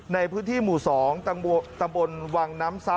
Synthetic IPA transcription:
na˧jpʰɯː˦˥nt̪ʰiː˥˩muː˨˩sɔː˩˦ŋt̪a˧mbo˧nwaː˧ŋnaː˦˥msaː˦˥

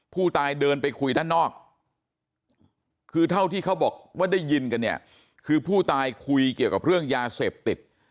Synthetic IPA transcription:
pʰuː˥˩t̪aː˧jdɤː˧npa˧jkʰu˧jdaː˥˩nɔː˥˩k̚ | kʰːɯː˧t̪ʰa˥˩wt̪ʰiː˥˩kʰa˦˥wbɔː˨˩k̚waː˥˩da˥˩jːi˧nka˧nːi˥˩ɐ | kʰɯː˧pʰuː˥˩t̪aː˧jkʰu˧jki˨˩əwka˨˩p̚ɾɯ˥˩əŋjaː˧seː˨˩p̚t̪i˨˩t̪̚

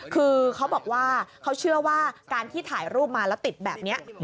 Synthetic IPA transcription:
kʰɯː˧kʰa˦˥wbɔː˨˩k̚waː˥˩kʰa˦˥wt͡ɕʰɯ˥˩ɐwaː˥˩kaː˧nt̪ʰiː˥˩t̪ʰaː˩˦jɾuː˥˩p̚maː˧lɛː˦˥wt̪i˨˩t̪̚bɛː˨˩p̚ni˦˥ɐʔ

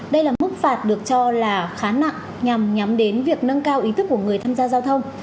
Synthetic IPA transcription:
ɗə˧jlaː˨˩mɨ˦˥k̚faː˨˩t̚ɗɨ˨˩ək̚t͡ɕɔ˧laː˨˩xaː˨˦na̰˧˨ŋ | ɲa˨˩mɲa˨˦mɗe˨˦nvi˨˩ək̚nə˧nkaː˧wʔi˨˦t̪ʰɨ˦˥k̚ːu˧˩əŋɨ˨˩əjt̪ʰaː˧mzaː˧zaː˧wt̪ʰə˧wŋ͡m

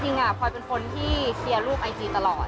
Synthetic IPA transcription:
t͡ɕi˧ŋʔa˨˩kkʰɔː˧jpe˧nkʰo˧nt̪ʰiː˥˩sʰi˧ɐɾuː˥˩p̚ʔa˧jtiː˧t̪a˧lɔː˨˩t̪̚

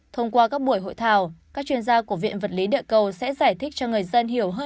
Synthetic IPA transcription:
t̪ʰə˧wŋ͡mkwaː˧kaː˦˥k̚ɓu˧˩əjɦo̰˧˨jt̪ʰaː˨˩wkaː˦˥k̚t͡ɕwi˧ənzaː˧ku˧˩əvḭ˧˨ənvə˨˩t̚li˨˦ɗə̰ː˧˨kə˧wsɛ̰˧˥zaː˧˩jt̪ʰï˦˥k̟̚t͡ɕɔ˧ŋɨ˨˩əjzə˧nɦi˧˩əwɦəː˧

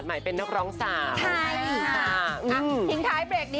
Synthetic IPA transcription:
t̪̚ma˨˩jpe˧nːa˦˥k̚ɾɔː˦˥ŋsaː˧˩mt͡ɕʰa˥˩ja˧˩ʔɯ˧˩t̪ʰi˦˥ŋt̪ʰaː˦˥jpɾeː˨˩k̚niː˦˥

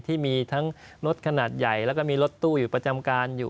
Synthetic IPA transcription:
t̪ʰiː˥˩miː˧t̪ʰa˦˥ŋɾo˦˥t̪̚kʰa˧naː˨˩t̪̚ja˨˩jlɛ˦˥kɔː˥˩miː˧ɾo˦˥t̪ːuː˥˩juː˨˩pɾa˧t͡ɕa˧mkaː˧njuː˨˩

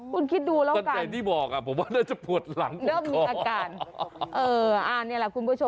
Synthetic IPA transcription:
kʰu˧nkʰi˦˥t̪̚duː˧laː˦˥ɔ˧˩nka˧ka˧˩t̪ʰiː˥˩bɔː˨˩k̚ʔa˨˧˩pʰo˩˦mwaː˥˩naː˥˩t͡ɕa˨˩pu˨˩ət̪̚la˩˦ŋdɯː˦˥˩mmiː˧aː˧kaː˧nʔɤː˧ʔaː˧˩niː˥˩˨lɛ˨˩ku˧npʰu˧˥˩o˧

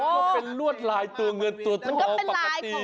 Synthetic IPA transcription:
ɔ˧pe˧nlu˥˩ət̪̚laː˨˧jt̪u˧əŋɤ˧nt̪u˨˩ət̪̚kʰːɔː˧pa˧˩a˨˧t̪iː˧

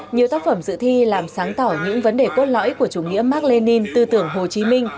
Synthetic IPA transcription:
ɲi˨˩əwt̪aː˦˥k̚fə˧˩mzɨ̰˧˨t̪ʰi˧laː˨˩msaː˨˦ŋt̪ɔ˧˩ɲɨ̰˧˥ŋvə˨˦nɗe˨˩ko˦˥t̚lɔ̰˧˥jku˧˩ət͡ɕu˧˩ŋḭ˧˥əmaː˦˥k̚le˧ni˧nt̪ɨ˧t̪ɨ˧˩əŋɦo˨˩t͡ɕi˨˦mï˧ŋ̟

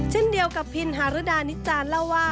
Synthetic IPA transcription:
t͡ɕʰe˥˩˨ndi˧əwka˨˩pʰːi˧˥nɦaː˨˦ɾɯ˧˦˥daː˧ni˦t͡ɕaː˧nlɛ˧˥˨waː˧˩

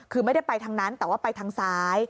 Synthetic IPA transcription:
kʰɯː˧m˥˩jda˥˩pa˧jt̪ʰaː˧ŋna˦˥nt̪ɛː˨˩waː˥˩pa˧jt̪ʰaː˧ŋsaː˦˥j

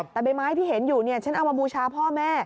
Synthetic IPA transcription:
t̪ɛː˨˩ba˧jmaː˦˥jt̪ʰiː˥˩ɦe˩˦njuː˨˩ni˥˩ɐt͡ɕʰa˦˥na˧wmaː˧buː˧t͡ɕʰaː˧pʰɔː˥˩mɛː˥˩

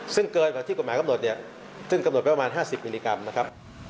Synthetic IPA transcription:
sɯ˥˩ŋkɤː˧naː˨˩t̪ʰiː˥˩ko˩aː˨˦ka˧no˨˩t̪̚ni˥˩ɐ | sɯ˥˩ŋka˧mn˨˩t̪̚ppa˧maː˧nɦaː˥˩si˨˩p̚miː˧liː˧ka˧mna˦˥kʰa˦˥p̚

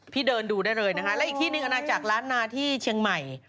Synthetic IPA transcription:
pʰiː˥˩dɤː˧nduː˧daː˥˩jɾɤː˧jna˦˥kʰa˦˥lɛ˦˥ʔiː˨˩k̚t̪ʰiː˥˩nɯ˨˧ŋʔa˧naː˧t͡ɕa˨˩k̚ɾaː˦˥nːaː˧t̪ʰiː˥˩t͡ɕʰi˧əŋma˨˩j

